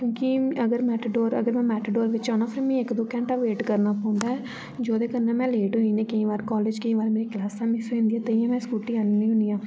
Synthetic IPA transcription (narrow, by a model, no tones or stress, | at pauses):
kõːkɪəɡəɾmɛːʈːɖoːɾə̰ɡəɾmɛ̃ːmɛːʈːɖoːɾʋɪt͡ʃaːnãːpʰəɾmɛ̃ːɪkd̪oːkɛ̃ːɳʈaːʋeːʈkəɾnaːpãːnd̪aːɛ | d͡ʒoːd̪eːkənːɛ̃ːmɛ̃ːleːʈɦʊĩːnẽːkəĩːʋaːɾkɔːleːd͡ʒkəĩːʋaːɾmeːɾeːklaːst̪ãːmĩsoĩnd̪iːɛːt̪eiãmɛ̃ːskuːʈiːannĩːɦʊnijãː